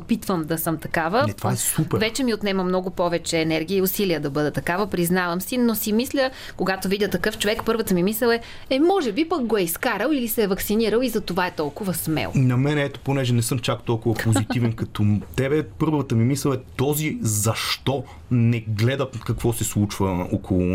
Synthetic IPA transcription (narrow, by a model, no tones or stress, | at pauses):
ot̪̚pit̪vəmd̪ɐsɤmt̪ɐkavəɛt̪vaɛsupɛɾvɛt͡ʃɛmiot̪nɛməmnɔɡʊpɔvɛt͡ʃɛːnɛɾɡʲiːʊsiliəd̪ɐbɤd̪ət̪ɐkavəpɾiznavəmsinosimislʲə | koɡat̪ovidʲət̪ɐkɤft͡ʃovɛkpɤɾvət̪əmimislɛlˠɛ | ɛmɔʒɛbipək̚ɡoɛiskaɾəlˠilisɛːvɐksiniɾəlˠizɐt̪ovaɛt̪ɔlˠkʊvɐsmɛ̰l̰ˠnɐmɛnɛɛt̪o̥ponɛʒɛnɛsɤmt͡ʃakt̪ɔlˠkʊvɐpozit̪ivɛnkɐt̪ɔt̪ɛbɛpɤɾvvət̪əmimislɛlɛt̪ɔzizɐʃt̪ɔ | nɛɡlɛd̪ət̪kɐkvɔsɛslˠut͡ʃvəokʰolˠʊ